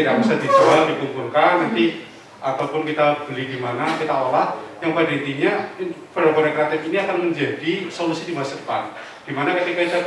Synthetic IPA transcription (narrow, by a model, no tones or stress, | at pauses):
idaʔbisad̥id͡ʒualdikumpulkanːant̪i | ʔat̪awpʊnkit̪ab̥əlidimanakit̪aolahjaŋpadaint̪iɲapəɾakoɾakɾat̪ɛfiniakanməɲd͡ʒadisolusidimasukan | d̥imanakət̪ikait̪a